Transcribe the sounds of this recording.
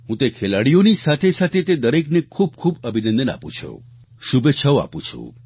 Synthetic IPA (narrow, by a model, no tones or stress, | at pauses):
ɦũt̪ekʰelaɽijonisat̪ʰesat̪ʰet̪ed̪əɾeknekʰub̚kʰubəbʱinə̃nd̪əna̰pṵ̃t͡ʃʰṵ | ʃubeːt͡ʃʰəwa̰pṵ̃t͡ʃʰṵ̃